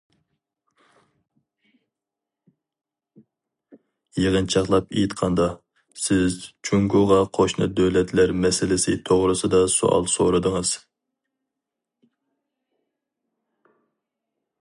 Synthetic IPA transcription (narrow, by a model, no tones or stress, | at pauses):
jeʁənt͡ʃʰɑχlˠɑpejit̪qʰɑnd̪ɑ | sɪzt͡ʃʰuŋɡuʁɑqʰoʃnɨ̰d̪øwlɛt̪ʰlæɾmɛsɪlɪsɪt̪ʰoʁɾɨsɨd̪ɑso̰ɑ̰lˠso̰ɾɨd̪ɨŋɨz̥